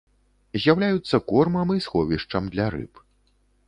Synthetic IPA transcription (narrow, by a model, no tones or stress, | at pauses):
zʲjawlʲajut̪sːɐkɔrmɐmisxɔvʲiʂt͡ʂɐmd̪lʲaɾɨ̰p